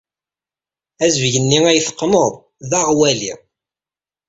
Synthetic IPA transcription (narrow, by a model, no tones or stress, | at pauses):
æzvʝənːiŋæjθə̥qːnəðˤ | ðæʁwæli